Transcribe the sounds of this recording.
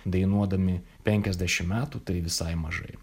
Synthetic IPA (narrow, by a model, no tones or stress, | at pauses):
d̪ɐɪnuɔd̪ɐmʲɪ | pʲɛŋʲkʲɛzʲd̪ʲæʃʲɪmmʲæːt̪ut̪ɐɪʋʲɪsɐɪmɐʒɐ̰ɪ